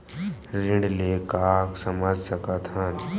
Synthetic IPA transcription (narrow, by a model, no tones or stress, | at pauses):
ɾɪɳɖlekaːksɐmaːd͡ʒsəkat̪ʰan